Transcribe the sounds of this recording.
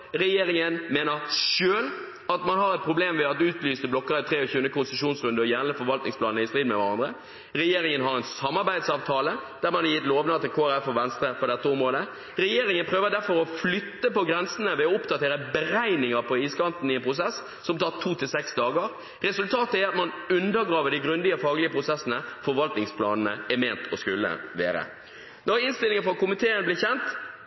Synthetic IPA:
ɾɛjeːɾɪŋənmeːnəɾʂøːl | ɑt̪mɑnɦɑɾɛt̪̚pʰɾʊbleːmʋɛɑt̪ʉːt̪lyːsəblɔkːəɾɪt̪ʰɾeːɔçʉːənəkʊnsəʃʂuːnsɾʉnd̪əɔjæːnəfɔɾʋɑlt̪nɪŋspʰlɑːnəɪst̪ɾiːd̪mɛʋæɾɑnd̪ɾə | ɾɛjeːɾɪŋənɦɑɾɛnsɑmːɑɾbæɪd̪sɑːʋt̪ʰɑːləd̪̥æɾmɑnɛjɪt̪loːʋnəɑt̪ʰɪlkʰoːæɾæfɔɾʋɛnst̪ɾəpɔd̪ɛt̪ːəɔmɾoːd̪ə | ɾɛjeːɾɪŋənpʰɾøːʋəd̪æɾfɔɾɔflʏt̪ːəpɔɡɾɛnsənəʋɛɔʊpd̪ɑt̪ʰeːɾəbəɾæɪnɪŋəɾpʰɔiːskɑnt̪n̩ɪɛnpʰɾʊsɛs | sɔmt̪ʰɑːt̪ʰuːt̪ɪlsɛksd̪ɑːɡəɾ | ɾɛsʉlt̪ʰɑːt̪əæɑt̪mɑn | ʉnd̪əɾɡɾɑːʋəɖɪɡɾʉnd̪ɪəfɑːɡlɪəpɾʊsɛsənəfɔɾʋɑlt̪nɪŋspʰlɑ̰ːnənə̰ɛmeːnt̪ɔskʉlːə̰ʋḛːɾə̰ | nɔɾəɪnst̪ɪlɪŋəfɑkʊmɪt̪ʰeːənəblɪːçɛnt̪

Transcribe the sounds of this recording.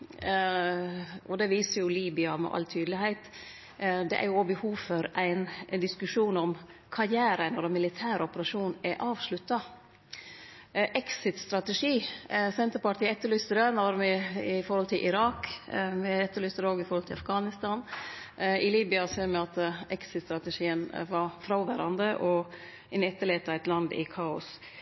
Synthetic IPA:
ɔd̪ɛʋiːsəɾjʊliːbɪɑmɛ̰ʔɑ̰lt̪ʰyːd̪lɪhæɪt̪ | d̪ɛ̰ʔæ̰ɾjʊobəhuːʋfɔɾʔæɪnd̪ɪskʉʂuːnɔmkʰɑɾjæːɾənɔɾɛmɪlɪt̪ʰæːɾɔpəɾɑʂuːnɛʔɑːʋʂlʉt̪ːɑ | ʔɛksɪt̪st̪ɾɑt̪ɛʂiːsɛnt̪əɾpɑʈʰiːɛt̪ːəɾɭʏst̪əɾɑɾnɑɾmɛɪfɔɾhɔlt̪ʰɪlʔɪɾɑːkmɛɛt̪ːəɭʏst̪əɾoːɡɪfɔɾhɔlt̪ʰɪlɑfɡɑːnɪst̪ɑːn | ɪliːbɪɑseːɾmɛɑt̪ɛksɪt̪st̪ɾɑt̪ɛʂiːənʋɑɾfɾɑʋæɾɑnd̪əʔɔ | ɪnɛt̪ːəɭeːt̪ɑæɪt̪lɑnd̪ɪ̰kʰɑːʊs

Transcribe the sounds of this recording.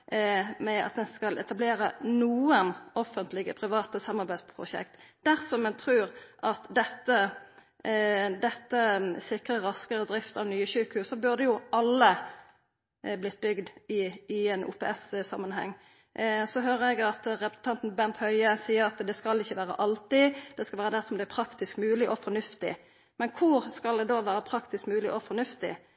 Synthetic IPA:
mɛɑ̰t̪̚d̪ɛnskɑlʔɛt̪ɑbleːɾənuːənɔfːənt̪lɪɡəpʰʁɪʋɑːt̪əsɑmːɑʁbæɪspʰʁʊ̰ʃɛ̰kt̪d̪̥æʁsɔmɛnt̪ʰʁʉːʁʔɑt̪d̪ɛt̪ːə | d̪ɛt̪ːəsɪkʁəɾɑskəɾəd̪ʁɪft̪ɑʋnyːəɕʉːkəhʉːsɔbʉʁd̪ɛjʊʔɑlːə | blɪt̪̚ːbʏɡd̪ɪɪɛnṵːpʰɛ̰ːɛssɑmːənɦɛ̰ŋː | sɔɦøːʁəɛɡɑt̪ɾɛpɾə̥sn̩t̪ʰɑnt̪n̩bɛnt̪hœʏəsiːəɾɑt̪d̪ɛskɑlɪçːəʋæːɾə̰ʔɑlt̪ɪd̪̥ɛskɑʋæːɾəd̪æʁsɔmd̪ɛæpʰɾɑkt̪ɪskmʉːlɪʔɔfɔnʉft̪ɪ̰ | mɛnkʰʊɾskɑld̪ɛd̪oːʋæːɾəpʰɾɑkt̪ɪskmʉːlɪʔɔfɔnʉft̪ɪ̰

